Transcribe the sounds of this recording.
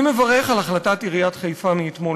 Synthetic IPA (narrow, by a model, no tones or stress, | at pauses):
mevaʁeχalaχlatatiʁijatχajfamiːtmo